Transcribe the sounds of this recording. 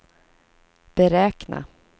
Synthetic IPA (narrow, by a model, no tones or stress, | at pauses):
b̥ɛɾɛːkna̰